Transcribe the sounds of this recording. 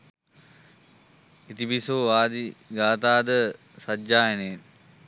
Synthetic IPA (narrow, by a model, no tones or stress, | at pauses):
it̪ibisoːʋaːd̪iɡaːt̪aːd̪əsɐd͡ʒaːjenen